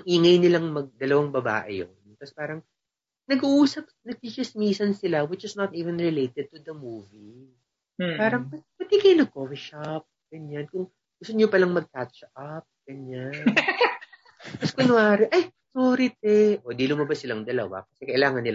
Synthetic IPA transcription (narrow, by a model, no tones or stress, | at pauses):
ŋʔiːŋɐjnɪlaŋmɐɡ̚d̪ɐlɐwaŋbɐba̰ːʔɪ̰jo̰nt̪ɐspaːɾɐŋ | nɐɡʊʔuːsɐp̚nɐɡ̚t̪it͡ʃɐsmiːsɐnsɪlawɪt͡ʃɪsnɐt̪iːvɛnɹɪlejt̪ɛd̪̚t̪ud̪ɐmuːvi | paːɾɐŋpɐpɐt̪ikɐjnɐkovɪʃɐp̚ɡ̥ɐɲankʊŋ | ɡʊsɐnɲopɐlaŋmɐɡ̚katt͡ʃʔɐp̚ɡ̥ɐɲan | kɐskɐnʊaːɾɛʔɐjsoːɾɪt̪̚ɛʔod̪ilʊmɐbasːɪlɐŋd̪ɐlɐ̰wa̰kɐsɛkɐʔɪlaːŋɐnːɪla